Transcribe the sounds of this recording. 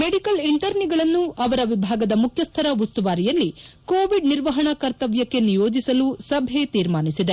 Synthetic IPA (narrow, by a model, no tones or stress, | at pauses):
meɖikɐliɳʈɐɾniɡɐɭɐnːuʔɐʋɐɾɐʋibʱaːɡɐd̪ɐmukʰjɐst̪ʰɐɾɐust̪uʋaːɾijɐlːikoːʋiɖniɾʋɐɦɐɳɐkɐɾt̪ɐʋjɐkːenijo̞ːd͡ʒisɐlusɐbʱet̪iːɾmaːnisid̪e